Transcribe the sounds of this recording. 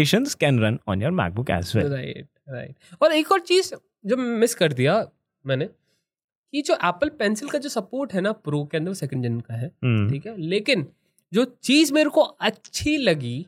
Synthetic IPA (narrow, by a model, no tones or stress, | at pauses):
eːʃə̃nzkɛ̃nɾɐ̃nɔ̰̃ːnjɔːɾmɛ̰ːk̚bʊkɛ̰ːswḛɾaɪʈ̚ | ɾa̰ɪʈ̚ɔːɾeːkɔːɾt͡ʃiːz | d͡ʒɐbmɪskɐɾd̪ija | mɛ̃ːne | kid͡ʒoːʔɛːpəlpɛːnsɪlkad͡ʒoːsɐpoːɾʈɦɛnapɾoːkeɐ̃nd̪əɾʋsɛkə̃ɳɖd͡ʒənkaɦɛːʈʰiːkɦɛleːkɪn | d͡ʒoːt͡ʃiːzmeːɾkoɐtːʃʰilɐɡi